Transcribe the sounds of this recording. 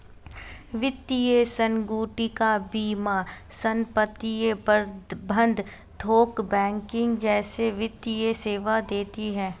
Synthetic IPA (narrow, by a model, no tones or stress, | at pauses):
ʋɪt̪ːijesə̃ŋɡuːʈikabiːma | sə̃mpət̪ijebəbʱə̃nd̪ʱ | d̪ʱoːkbɛ̃ːŋkɪ̃ŋɡd͡ʒɛːseʋɪt̪ːijeseːʋad̪eːt̪iɦɛ̃ː